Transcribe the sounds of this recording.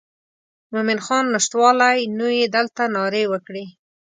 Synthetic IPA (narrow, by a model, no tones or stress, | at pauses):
mʊmɪnxɑnːʊʃt̪wɑlajnojed̪əlt̪anɑɾewəkɽe